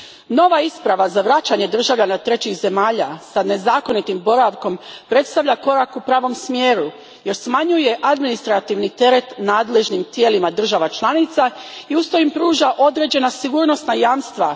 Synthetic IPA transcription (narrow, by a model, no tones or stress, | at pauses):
no̞ʋaispɾaʋazaʋɾat͡ɕaɲe̞d̪r̩ʒaʋʎanat̪ɾe̞t͡ɕixze̞maːʎa̰sane̞zaːko̞nit̪imbo̞ɾaʋko̞mpɾe̞t̪st̪aʋʎako̞ɾakupɾaːʋo̞msmje̞ːɾu | je̞ɾsmaɲuje̞ʔad̪minist̪ɾat̪iʋnit̪e̞ɾe̞t̪naːd̪le̞ʒnimt̪je̞ːlimad̪r̩ʒaʋat͡ʃlˠanit̪saiust̪ojimpɾuːʒaʔo̞d̪ɾe̞ːd͡ʑe̞nasiɡuːɾno̞st̪najaːmst̪ʋa̰